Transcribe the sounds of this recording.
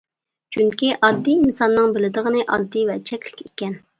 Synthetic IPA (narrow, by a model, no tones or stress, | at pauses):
t͡ʃʰyŋkʲiʔɑd̪ːiinsɑnːɨŋbɪlɪd̪əʁənɨʔɑ̰d̪ːivɛt͡ʃʰɛkʲlɪkʲekʲɛn